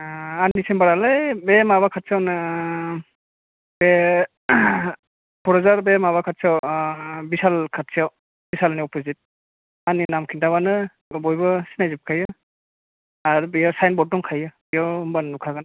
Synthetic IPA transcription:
anisembaɾalajbɛmaβakʰatsʰawnɯ | bɛ | pʰɔɾɔzaɾbɛmaβakʰat̚siawbisalkʰatsiaw | b̥isalniɔpʰɔzit̚ | aninamkʰintaβanɯ | bɔjbɯsinajzip̚kʰajɯ | aɾubijawsajnbɔt̚dɔŋkʰajɯbijawmbannukʰaɡɯn

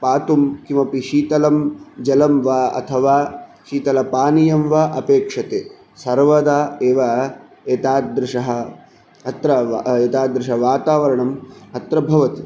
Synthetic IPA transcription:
paːt̪umkimɐpiʃiːt̪ɐlɐmd͡ʒɐlɐmʋaɐ̰t̪ʰɐʋaːʃiːt̪ɐlɐpaːnijɐmʋɐʔɐpeːkʂɐt̪eː | sɐɾʋɐd̪aːeːʋɐ | eːt̪aːd̪ɾɪʂɐɦɐ̆ | ɐt̪ɾɐeːt̪aːd̪ɾɪʂɐʋaːt̪aːʋɐɾɐɳɐmɐt̪ɾɐbʱɐʋɐt̪i

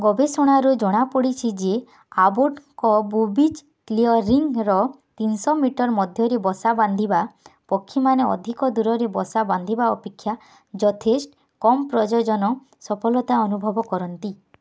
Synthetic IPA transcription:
ɡɔbesɔɽ̃aɾud͡ʒɔɽ̃apɔɽit͡ʃʰid͡ʒe | aboʈkɔbubit͡ʃ | kliɔɾːiŋɾɔ | t̪insɔmiʈɔɾmɔd̪ʱjɔɾebɔsaband̪ʱibapɔkʰːimaneɔ̰d̪ʱikɔd̪uɾɔɾebɔsaband̪ʱibaɔpekʰːja | d͡ʒɔt̪ʰesʈ | kɔmɔpɾɔd͡ʒɔd͡ʒɔnɔ | sɔpʰɔlɔt̪aɔnubʱɔbɔkɔɾɔnt̪i

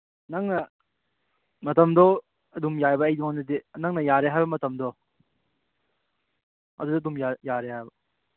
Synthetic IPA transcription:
nɐŋnɐ | mɐtɐmdɔ | ɐdumjajbɐːjduŋanɐdiɐnɐŋnɐjaɾeɦajbɐmɐtɐmdɔ | ɐdudɐdumjajaɾeɦajbɐ

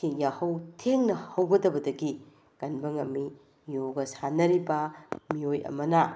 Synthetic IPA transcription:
ijahɐwtʰeŋnɐhɐwɡɐdɐbɐdɐɡi | kɐnbɐŋɐmːi | joɡɐsanɐɾibɐmiojɐ̰mɐnɐ

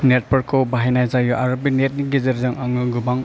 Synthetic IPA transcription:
net̚bɔɾkkʰːɔbaɦenajzajɔʔaɾɔbinet̚nik̚ɡizeɾzaŋaŋɯɡubaŋ

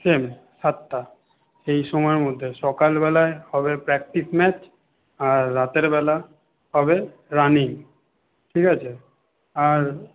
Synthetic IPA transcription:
sem | ʃat̪ːa | ʃejʃɔmɔeɾmod̪ʱːeʃɔkalbɛlaehɔbepɾɛk̚ʈismɛt͡ɕ | aɾːat̪eɾbɛla | ɦɔbe | ɾaniŋ | ʈʰikat͡ɕʰe | aɾ

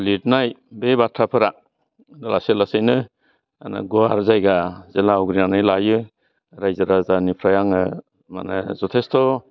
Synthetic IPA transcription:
litnajbebatʰɾapʰɯɾa | nala̰selasejnɯ | anɯ̰ɡɔaɾzajɡazelaɔɡɾinanɯjlajɯ | ɾajzaɾazanipʰɾajaŋɯ | ma̰nɯ̰zɔtʰestʰɔ

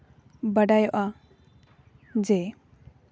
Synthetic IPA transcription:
bəɖajɔʔa | d͡ʒɛ

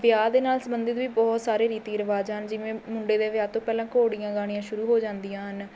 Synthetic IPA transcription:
ʋɪjaːd̪eːnaːlsəmənd̪ɪt̪ʋiːbɔːt̪saːɾeːɾiːt̪iːəɾəʋaːd͡ʒɦənd͡ʒɪʋẽːmʊɳɖeːd̪eːʋɪjaːt̪õːpɛːlãːkoːɽijãːɡaːɽijãːʃʊɾuːɦoːd͡ʒãːnd̪ijãːɦən

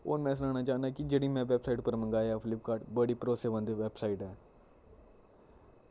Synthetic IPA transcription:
o̰ːnmɛ̃ːs̬ənaːnaːt͡ʃaːnd̪aːkɪd͡ʒeːɽiːmɛ̃ːʋɛbsaːiːʈpəɾmə̃ŋɡaːjaːpʰɪlɪp̚kaːʈbəɽiːpəɾoːseːʋə̃nd̪ʋɛbsaːiʈɦɛː

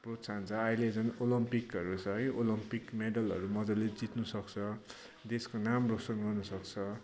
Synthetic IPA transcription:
prot̪sʰant͡sʰʌailed͡zʌnolʌmpikʌɾut͡sʰʌɦjolʌmpikmeɖʌlɦʌ̰ɾumʌd͡zʌled͡zit̪nusʌkt͡sʰʌ | d̪eskonamrosʌnɡʌrnʌsʌk̚t͡sʰʌ

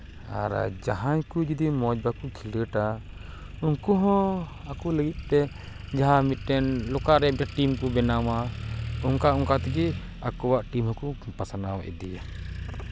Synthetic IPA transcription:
a̰ɾ̰d͡ʒaɦãɲkud͡ʒid̪imɔd͡ʒbakukʰiləʈa | uŋkuɦɔ̃akuləɡit̪̚ˀt̪ɛ | d͡ʒaɦamit̪̚ˀʈɛnlɔkaɾɛd͡ʒaʈimkubɛnawauŋkaɔŋkat̪iɡɛ | akɔwaʔʈimɦɔkupasanawa̰ʔɛ̰d̪ija̰

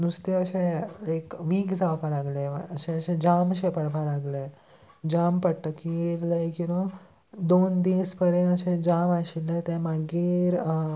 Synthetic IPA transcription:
nust̪eəɕẽekʋiːkd͡zawpalaɡleəɕẽəɕẽd͡ʑamɕepəɽpalaɡle | d͡ʑampəʈːəkieɾləjkĩa | d̪ond̪ispəɾẽəɕẽd͡ʑamaɕilət̪ẽmaɡiːɾ

